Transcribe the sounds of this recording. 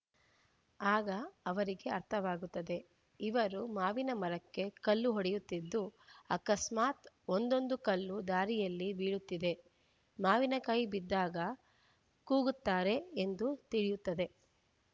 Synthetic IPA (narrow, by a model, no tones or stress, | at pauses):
aːɡɐːʋɐɾiɡe̞ɐɾt̪ʰɐʋaːɡut̪ːɐd̪e̞ | iʋɐɾumaːʋinɐmɐɾɐkːe̞kɐlːuɦoɽɛjut̪ːid̪ːuɐ̰kɐsmaːt̪ | o̞nd̪o̞nd̪ukɐlːud̪aːɾijɐlːibiːɭut̪ːid̪e̞ | maːʋinɐkɐjbid̪ːaːɡɐ | kuːɡut̪ːaːɾe̞end̪ut̪iɭijut̪ːɐd̪e̞